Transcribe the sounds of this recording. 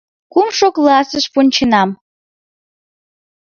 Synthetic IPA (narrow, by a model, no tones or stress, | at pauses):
kumʃoklˠɑsəʃpunʲt͡ɕənɑm